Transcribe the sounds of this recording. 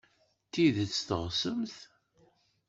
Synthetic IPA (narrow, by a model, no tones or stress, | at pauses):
t̪ːiðt͡sːθəʁsəmθ